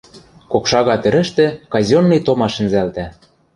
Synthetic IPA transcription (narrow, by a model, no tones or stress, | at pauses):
kokʃɑɣɑt̪ɘ̆ɾɘ̆ʃt̪ĕkɑzʲonːɤjt̪omɑʃɘ̆nzælt̪æ